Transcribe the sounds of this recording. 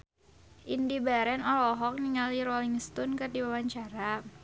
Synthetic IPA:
ʔindibaɾɛnɔlɔɦɔk̚niŋaliɾɔliŋst̪unkɨrdiwawaɲt͡ʃaɾa

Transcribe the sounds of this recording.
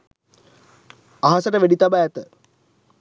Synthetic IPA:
aɦasəʈəʋeɖit̪abaæt̪ə

